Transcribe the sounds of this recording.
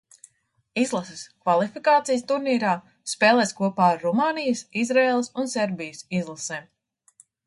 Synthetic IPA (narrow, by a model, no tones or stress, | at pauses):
izlˠasɛskvalˠifikaːt̪sijst̪uɾniːɾaː | speːlˠɛːskuɔpaːɾːɔmaːnijəsizɾeːlˠsunsɛɾbijəsizlˠaseːm